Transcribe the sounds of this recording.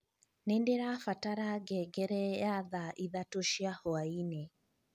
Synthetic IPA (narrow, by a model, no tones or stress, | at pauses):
nendeɾafataɾaɡɛɡɛɾɛjaðaʔiðatoʃiahoaine